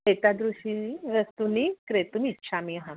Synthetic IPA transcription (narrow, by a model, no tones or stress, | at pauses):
et̪ad̪ɾuɕiɾəst̪unikɾet̪umitːɕʰamiɦã